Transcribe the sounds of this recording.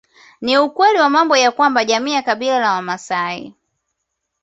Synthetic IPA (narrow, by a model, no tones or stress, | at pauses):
niukwɛliwamambɔjakwambaʄamiːjakaɓilalawamasaḭ